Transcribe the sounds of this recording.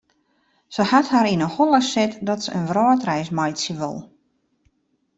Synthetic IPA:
səhathaɾinəhɔlˠəsɪtdɔtsəənʋrɔːtrɛjsmajtsjəʋo̰lˠ

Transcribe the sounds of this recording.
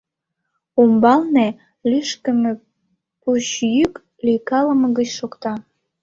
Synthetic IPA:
umbɑlne | lyʃkə̆mĕ | puɕjyk | likɑləməɣət͡ɕʃokt̪ɑ

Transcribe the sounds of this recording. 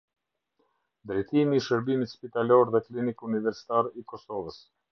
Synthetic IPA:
nd̪ɾɛjt̪imiːʃəɾbimit̪spit̪alɔɾðɛklinikunivɛɾsi̥t̪aɾikɔsɔvəs

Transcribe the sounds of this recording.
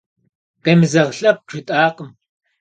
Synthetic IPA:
qemɨzɐʁɬʼɐp̚ʈ͡ʂʰɨtʼaːqəm

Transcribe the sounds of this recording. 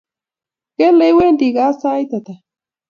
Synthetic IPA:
kelewend̪iɣasajt̪at̪a

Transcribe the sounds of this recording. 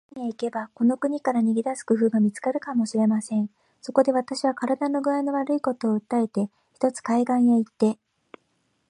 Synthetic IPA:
ɲiaike̞bako̞no̞kɯ̟ɲ̟ikaɾaɲ̟iɡʲid̪asɨ̥kɯ̟ɸɯ̟ːɡamʲit͡sɨ̥kaɾɯ̟kamo̞ɕiɾe̞masẽ̞ɴ̃ | so̞ko̞d̪e̞β̞at̪aɕiβ̞akaɾad̪ano̞ɡɯ̟ainoβaɾɯ̟iko̞t̪o̞ːɯ̟t̪ːae̞t̪e̞ | çi̥t̪o̞t͡sɨ̥kaiɡãɰ̃jait̪ːe̞

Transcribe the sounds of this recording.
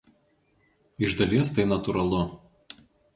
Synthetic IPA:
ɪʒd̪ɐlʲiɛst̪ɐɪnɐt̪ʊɾɐlˠʊ

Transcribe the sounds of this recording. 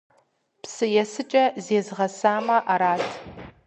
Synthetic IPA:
psɨjɛsɨt͡ʃʼɐzeːzʁɐsaːmɐʔaɾaːtʰ

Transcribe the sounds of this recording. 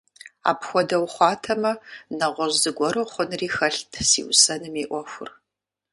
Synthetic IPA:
a̰ːpxʷɔdɐwχʷɑːtʰɐmɐnɐʁʷɔʒzɨɡʷɔɾɨχʷʊnriːxɐɬtʰsḭːwsɐnɨmeːʔʷɔxʷʊ̰r

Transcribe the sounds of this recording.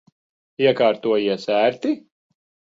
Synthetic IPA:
iɛkaːɾt̪uɔjiɛsæːɾt̪i

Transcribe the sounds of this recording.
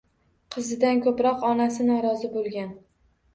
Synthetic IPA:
qʰɨzɪd̪ankʰɵpɾɒqɒnasɪnɒɾɒzɪbolˠɡʲan

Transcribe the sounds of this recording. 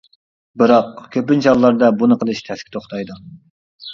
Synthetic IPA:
bɨɾɑq̚kʲʰøpynt͡ʃʰɑllːɑɾd̪ɑbunɨqʰəlˠɨʃt̪ʰɛskʲi̥t̪ʰoχt̪ʰɑjd̪u

